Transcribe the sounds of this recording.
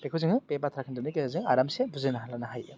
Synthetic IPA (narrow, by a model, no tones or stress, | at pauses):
bekʰɯwzɯŋɯpebatʰɾakʰɯndunikezɯŋaɾamsebuzɯnaɦalanaɦajɯ